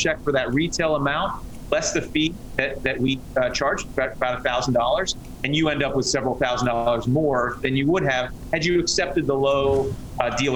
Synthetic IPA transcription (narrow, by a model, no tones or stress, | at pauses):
t͡ʃʰɛk̚fə˞ðɨt̚ɹitʰeɪlˠəmãʊ̃nʔ | lɛsðɨfi | ðɨt̪̚ðɨʔ̚wit͡ʃʰɑɹd͡ʒbaɾəbaʊɾəθaʊzn̩dɔlˠə˞z̥ | ɨ̃njɨɛ̃ndʌpwɨð̥sɛvɹl̩ˠθaʊzn̩dɔlˠə˞zmɔɹðɨ̃njɨwʊɾ̚ɨv̥ | ɨd͡ʒɨːksɛp̚tɨd̪̚ðəloʊ | dilˠ